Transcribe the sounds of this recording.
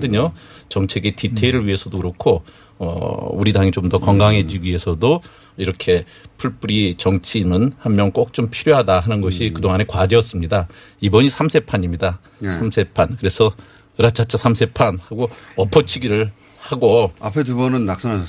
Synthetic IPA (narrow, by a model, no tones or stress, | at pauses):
dɯɲot͡ɕʌŋt͡ɕʰe̞ɡetitʰeɾɯɭɥiɦe̞sʰʌdokɯɾʌkʰo | ʌ̰uɾidaŋit͡ɕomdʌkʌŋɡaŋɦe̞d͡ʑiɡɥiɦe̞sʰʌdo | iɾʌkʰe̞ | pʰuɭp͈uɾit͡ɕʌŋt͡ɕʰinɯnhammjʌnk͈ok̚t͡ɕ͈ompʰiɾjoɦadaɦanɯnɡʌɕʰikɯdoŋane̞kwad͡ʑeʌs͈ɯmɲida | ibʌɲisʰamsʰe̞pʰaɲimɲida | samsʰe̞pʰankɯɾe̞sʰʌ | ɯɾat͡ɕʰat͡ɕ͈ʰasʰamsʰe̞pʰanhaɡoʌpʰʌt͡ɕʰiɡiɾɯɭ | haɡoapʰetubʌnɯnːak̚s͈ʌna